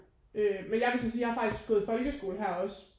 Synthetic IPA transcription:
ømenjɑ̈ʋesɒsiːjɑ̈hɑ̈fɑ̈ɡ̥d̥isɡ̥fɔ̽ːð̩ˠfɒ̽lɡ̥əsɡ̥o̝̰ːləɦæɐ̰ɒ̽s

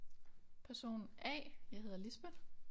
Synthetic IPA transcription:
pʰæɐso̝̰ːn̩ɛ̰ːjɑ̈ɦe̝ðˠɐlisb̥ə

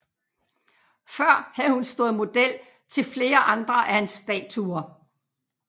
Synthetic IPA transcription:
fɶɐ̰hæð̩ˠhunsd̥oːð̩ˠmo̝d̥el̰ | t͡sʰe̝lfle̝ːɐʔɑ̈nd̥ʁɐʔæhænsd̥ɛ̰ːt͡sʰuɐ

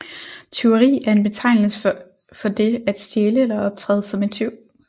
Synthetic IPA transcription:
t͡sʰe̝ʊʁḭːæɐe̝nb̥e̝t͡sʰɑ̈ɪnl̩sə | fɒ̽d̥e̝æd̥sd̥jeːləelɐɒ̽b̥̚t͡sʰʁɛ̰ːðˠsɒ̽me̝nt͡sʰeʊ̰

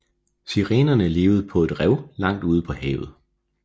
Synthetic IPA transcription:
siʁeːnɐnəle̝ːʊð̞̩ˠpʰɒ̽e̝d̥ʁɛʊlɑ̈ŋ̰d̥uːð̞ˠəpʰɒ̽hɛ̰ːʊð̞̩ˠ

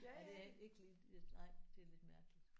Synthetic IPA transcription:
æd̥e̝æe̝ɡ̥liː | esnɑ̈ɪ̰d̥e̝æle̝d̥mæɐɡ̥lid̥

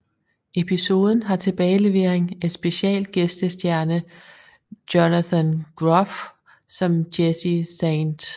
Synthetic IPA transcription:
e̝pʰiso̝ːð̞ˠn̩ɦɑ̈t͡sʰe̝b̥ɛːɪle̝ʋe̝ɐ̰eŋed̥sb̥e̝ɕɛ̰ːld̥̚ɡ̥esd̥əsd̥jæɐnə | d̥onæθænɡ̥ʁɔf | sɒ̽md̥esiseɪnd̥

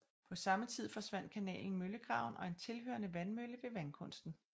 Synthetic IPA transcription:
pʰɒ̽sɑ̈mət͡sʰið̞̰ˠfɒ̽sʋæn̰d̥̚kʰænɛ̰ːln̩møləɡ̥ʁɑ̈ʊnɒ̽e̝nt͡sʰe̝lɦø̰ːɐnəʋænmøləʋe̝ʋænkʰɔ̽n̰sd̥n̩

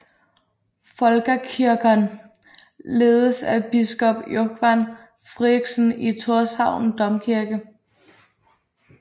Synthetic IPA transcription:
fɒ̽lɡ̥əkʰiɐɡ̥ɐn | le̝ːð̞ˠəsæb̥isɡ̥ɒ̽b̥joɡ̥ʰʋæn | fʁiɡ̥sn̩it͡sʰoɐsɑ̈ʊ̰n̩d̥ɒ̽mkʰiɐɡ̥ə

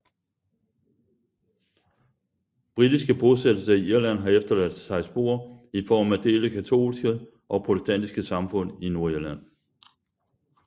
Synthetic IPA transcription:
b̥ʁid̥isɡ̥əb̥o̝sed̥l̩sɐiiɐlæn̰ɦɑ̈efd̥ɐlæd̥sɑ̈ɪsb̥o̝̰ːɐifɒ̰ːmæd̥e̝̰ːləkʰæt͡sʰo̝̰ːlsɡ̥ə | ʔɒ̽pʰʁo̝destʰæn̰d̥isɡ̥əsɑ̈mfɔ̽n̰ino̝ɐiɐlæn̰

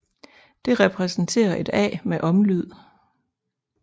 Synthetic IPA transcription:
d̥e̝ʁɛpʰʁɛsn̩t͡sʰe̝̰ːɐʔe̝d̥ɛ̰ːmeʔɒ̽mlyð̞̰ˠ

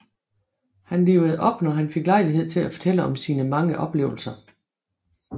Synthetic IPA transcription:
hænle̝̰ːʊð̞̩ˠʔɒ̽b̥nɒɦænfe̝ɡ̥lɑ̈ɪliɦe̝ð̞̰ˠt͡sʰe̝læfɒ̽t͡sʰel̰əɒ̽msiːnəmɑ̈ŋəʔɒ̽b̥le̝ːʊl̩sɐ

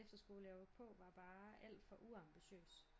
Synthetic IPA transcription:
efd̥ɐsɡ̥o̝ːlɒʊpʰɔ̽ʋɑ̈b̥ɑ̈ːʔæl̰d̥fɒ̽ʔuɑ̈mb̥iɕø̰ːs

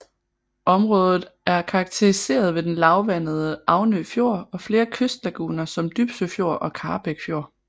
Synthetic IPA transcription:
ɒ̽mʁɔ̽ːð̞ˠð̞̩ˠæɐkʰɑ̈ːɡ̥̚t͡sʰe̝ʁise̝̰ːɐð̞̩ˠʋe̝d̥enlɑ̈ʊʋæn̰ð̞ˠəɑ̈ʊnøːfjo̝ɐ̰ɒ̽fle̝ːɐkʰøsd̥læɡ̥ṵːnɐsɒ̽md̥yb̥søfjo̝ɐ̰ʔɒ̽kʰɑ̈ːb̥eɡ̥fjo̝ɐ̰

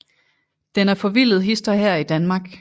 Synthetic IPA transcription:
d̥enæɐfɒ̽ʋil̰ð̩ˠɦisd̥ɐɦeɐ̰id̥ænmɑ̈ːɡ̥

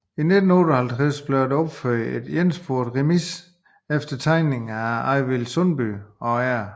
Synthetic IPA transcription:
ine̝d̥n̩oːɾɒhælt͡sʰʁasb̥leɐd̥eɒ̽b̥føɐ̰ed̥jensb̥o̝ɐd̥ʁemis | efd̥ɐt͡sʰɑ̈ɪne̝ŋ̩æɑɪʋilsɔnb̥yɒæɐ̰

